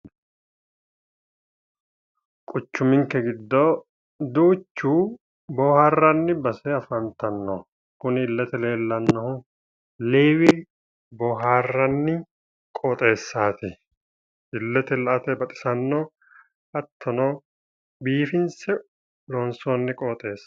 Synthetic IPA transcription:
kʼʊt͡ʃːʊmɪŋkːɛɡɪd̪ːoː | d̪uːt͡ʃːuː | boːhaːrːɐnːɪbɐsɛɐfɐnt̪ɐnːo̰ | kʊnɪɪlːɛt̪ɛle̞ːlːɐnːɔhʊ | leːwɪ | boːɦaːrːɐnːɪ | kʼoːt̪ʼe̞ːsːaːt̪ɪ | ʔɪlːɛt̪ɛlɐʔɐt̪ɛbɐt̪ʼɪ̥sɐnːoː | ɐt̪ʰːɔnoː | biːfɪnsɛ | loːnsoːnːɪkʼoːt̪ʼe̞ːs

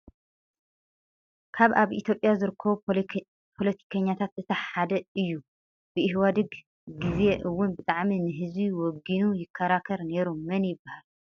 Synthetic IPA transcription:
kʰaβaβʔit̪ʰjo̞pʼːjazɨɾɨkʰːɐβu | pʰo̞lɐt̪ʰi̥kʰɐɲːat̪ʰat̪zɨt̪ʰɐħad̪ɐɨjːu | b̥ɨʔɪɦwad̪ɨɡ | ɡɨzeʔɨwːʊnbɨt̪ʼaʕminɨɦɨziwɔɡinujɪkʰːɐɾakʰɐɾne̞ɾumːɐnjɪbːahal

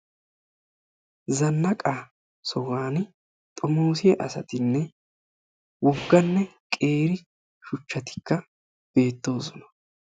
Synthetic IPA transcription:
zɐnːɐkʼa | sɔwaːn | t̪ʼɔmoːsɪjɛʔɐsɐt̪ɪnːɛ | wɔɡːɐnːɛkʼe̞ːɾɪ | ʃʊt͡ʃːɐt̪ɪ̥kːɐ | b̥e̞ːt̪ːo̞ːsɔnɐ̥

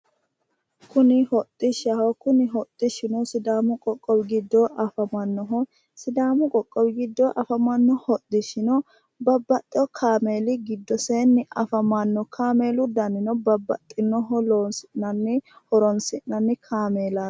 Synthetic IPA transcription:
kʊnɪhɔt̪ʼːɪʃɐhɔkʊnɪɦɔt̪ʼːɪʃɪnɔsɪd̪aːmʊkʼɔkʼːɔwɪɡɪd̪ːɔʔɐfɐmɐnːɔɦɔ | sɪd̪aːmʊkʼɔkʼːɔwɪɡɪd̪ːɔʔɐfɐmɐnːɔhɔt̪ʼdɪʃɪnɔ | bɐbːɐt̪ʼːɔkʰaːmeːlɪɡɪd̪ːɔseːnːɪʔɐfɐmɐnːɔkʰaːmeːlʊd̪ɐnːɪnɔbɐbːɐt̪ʼːɪnɔɦɔloːnsɪnɐnːɪhɔɾɔnsɪʔnɐnːɪkʰaːmeːla

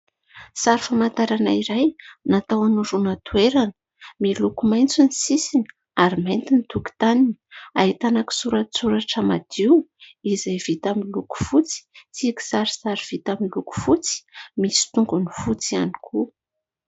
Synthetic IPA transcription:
saɾifamant̪aɾanaiɾajnat̪awanuɾunat̪ueɾanə̥ | milukumajnt͡sunisisini̥ | aɾimajnt̪init̪uki̥t̪aniniaɦit̪anaki̥suɾasuɾaʈ͡ʂəmad̪̥iwizajvit̪amiluku̥fut͡si̥t͡siki̥saɾi̥saɾiv̥it̪aminluku̥fut͡si̥misi̥t̪uŋɡunifut͡siani̥kʰu

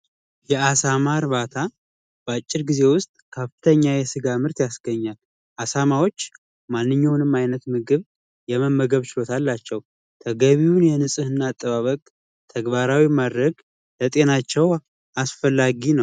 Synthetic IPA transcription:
jɛasamaɾβat̪ʰa | b̥əat͡ʃʼːɪɾɡize̞wʊst̪ʼkʰəfɨt̪ʰəɲːajɛsɨɡamɨɾt̪jasɡəɲːal | ʔasamawo̞t͡ʃː | manːɨɲːawnɨmajnət̪mɨɡɨβ | jɛməmːəɡəβt͡ʃɪlo̞t̪ʰalːat͡ʃːɛw | t̪ʰəɡəβiwunjɛnɨsʼɨhɨnːaːt̪ʼːəβaβəkʼ | t̪ʰəɡβaɾawimad̪ɾəɡ | lət̪ʼe̞nat͡ʃːɛw | asfəlːaɡinəw

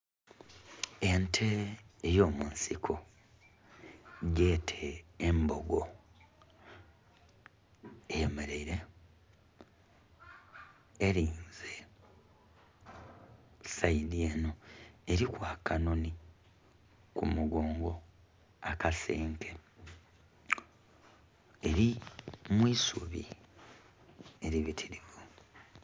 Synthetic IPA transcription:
e̞ntʰe̞ːjo̞ːmunsikʰo | ɟe̞ːtʰeːmbo̞ɡo̞ | emeɾeɾe | ɾiːnze | sainie̞no̞e̞ɾikwaːkanoni | kumuɡoːŋɡo̞ | akaseːŋkʰe | eɾimwiːsuβḭ | eɾiβitʰiɾiβu

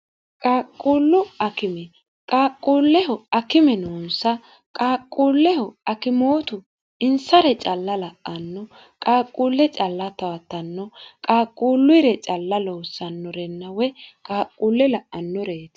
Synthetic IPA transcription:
kʼaːkʼːuːlːʊɐkɪmɛ | kʼaːkʼːuːlːɛhɔɐkɪmɛnoːnsɐ | kʼaːkʼːuːlːɛhɔɐkɪmoːt̪ʊ | ɪnsɐɾɛt͡ʃʼɐlːɐlɐʔɐnːɔ | kʼaːkʼːuːlːɛt͡ʃʼɐlːɐt̪ɐwɐt̪ːɐnːɔkʼaːkʼːuːlːʊɾɛt͡ʃʼɐlːɐloːsːɐnːɔɾɛnːɐwɛkʼaːkʼːuːlːɛlɐʔɐnːɔɾeːt̪

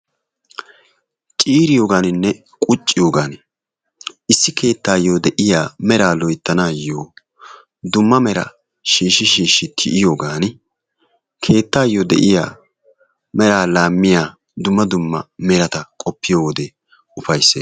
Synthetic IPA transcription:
t͡ʃʼiːɾɪjo̞ːɡaːnɪnːɛ | kʼʊt͡ʃʼːɪjoːɡaːn | ɪsːɪkʰe̞ːt̪ːaːjoːd̪ɛʔɪjaːmɛɾaːlɔjt̪ːɐnaːjoː | d̪ʊmːɐmɛɾɐ̰ | ʃiːʃːɪʃiːʃːɪt̪ʰɪʔɪjo̞ːɡaːn | kʰe̞ːt̪ːaːjoːd̪ɛ̰ʔɪja̰ː | mɛɾaːlaːmːɪjaː | d̪ʊmːɐd̪ʊmːɐmɛɾɐt̪ɐkʼɔpːɪjoːwɔd̪e | ʊfɐjsːeː

